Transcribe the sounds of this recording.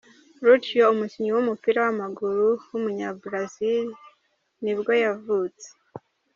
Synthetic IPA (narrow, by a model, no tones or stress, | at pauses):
ɾut͡ʃjoumuciɲiwumupiɾawamaɡuɾuwumuɲabɾazil | nibɡo̞javut͡se̥